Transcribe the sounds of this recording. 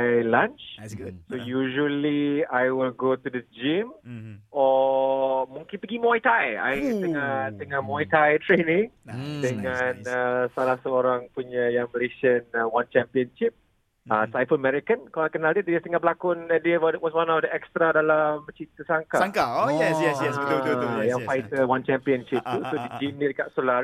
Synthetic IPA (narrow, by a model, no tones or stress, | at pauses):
alãnt͡ʃsojuʒuəliajwɪlɡotudəd͡ʒɪ̃m | ɔ | mũŋkɪ̃npəɡimɔjtaja̰jt̪əŋat̪əŋãmɔjtajtɾenɪ̃ŋdəŋanəsalahsəoɾaŋpuɲajaŋməleʃənəwant͡ʃɛ̃mpiənʃɪp̚ | əsajfələmɛɾikənkalajkənaldit̪asəŋabəlakʊnadibadɛʔ̚wɔswanɔfdəɛkst̪ɾadalamt͡ʃit̪əsaŋkaaŋkaojɛsjɛsjɛsut̪ujaŋfajt̪əwant͡ʃɛmpiənʃɪp̚t̪usodiɡinidəkaʔsola